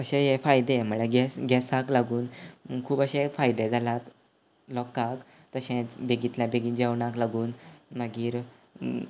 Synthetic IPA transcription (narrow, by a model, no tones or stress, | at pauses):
əɕẽjefajd̪em̤əɭeɡɛsɡɛsaklaɡuːnkʰuːbəɕẽfajd̪ed͡zʱalat̪ | lɔkak | t̪əɕẽt͡sbeɡit̪labeɡid͡ʑeʋɳaklaɡuːnməɡiːɾ